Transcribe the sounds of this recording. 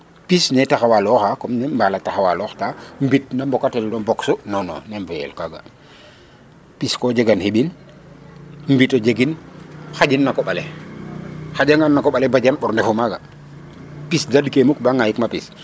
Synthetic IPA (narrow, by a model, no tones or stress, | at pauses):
pisnɛtaxawalɔxakɔmnɛmbalataxawalɔxtambit̚nambɔkateldobɔksunɔnɔ̰nemvujɛ̰lkaɡa̰ | piskod͡ʒeɡanheɓin | mbitod͡ʒeɡinxaɟinːakɔɓale | xaɟaŋanːakoɓalebaɟanɓɔɾndefumaɡa | pisdadkemukbaŋajikmapis